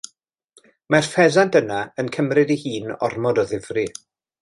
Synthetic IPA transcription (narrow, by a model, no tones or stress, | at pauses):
marfɛðantʰənaənkʰəmrɪdihiːnɔ̰rmɔdɔðɪvri